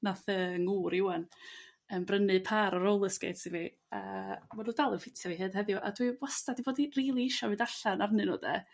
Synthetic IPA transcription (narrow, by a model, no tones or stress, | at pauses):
naθəːŋuːɾɪwan | ənbrənɨpʰaːɾɔɾowlˠəsɡḛtsivi | amanuːdalˠəfɪtʰjaviɦɨːd̥ɦɛðjɔʔa̰dwiwastadiboːdiriːlˠiɪʃɔvɨːdaɬanarnɨnɔ̰ːdɛ̰